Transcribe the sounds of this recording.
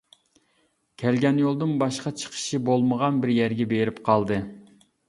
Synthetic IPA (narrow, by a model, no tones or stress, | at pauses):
kʲʰælɡʲɛnjolˠd̪ɨnbɑʃqɑt͡ʃʰə̥qʰə̥ʃibolˠməʁɑnbɪɾjæɾɡʲɛbeɾɪpqʰɑlˠd̪ɨ